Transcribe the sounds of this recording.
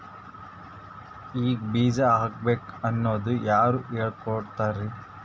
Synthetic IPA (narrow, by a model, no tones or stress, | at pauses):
iːɡbiːd͡ʒaaːk̚beːkɐnːoːd̪ujaːɾuːʔeːɭkoɽt̪aːɾe